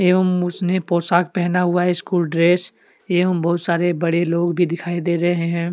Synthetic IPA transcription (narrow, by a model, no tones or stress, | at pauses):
eːʋəmʊsnepoːsaːk̚pɛɦnaɦʊaɦɛskuːlɖɾeːs | eːʋəmbɐɦʊt̪saːɾebɐɽeloːɡbʱid̪ɪkʰaːid̪eːɾɐɦeɦɛ̃ː